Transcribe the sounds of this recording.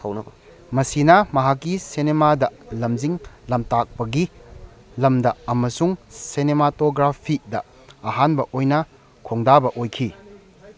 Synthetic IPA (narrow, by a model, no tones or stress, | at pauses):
ɐwnɐbɐ | mɐsinɐmɐɦakːisinemadɐlɐmziŋlɐmtak̚pɐɡi | lɐmdɐɐmɐsuŋsenematoɡɾapʰidɐː | ɦanbɐʔojnɐ | kʰoŋdabɐʔojkʰi